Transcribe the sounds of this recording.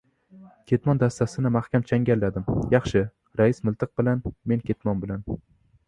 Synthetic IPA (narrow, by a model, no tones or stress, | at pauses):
kʲʰe̞t̪mɒnd̪ast̪asɪnɪmahkʲamt͡ʃʰaŋɡʲalːad̪ɪmjɑχʃɪ | ɾaɪsmʊlˠt̪ʰɨq̚bɪlanme̞nkʲʰe̞t̪mɒnbɪlan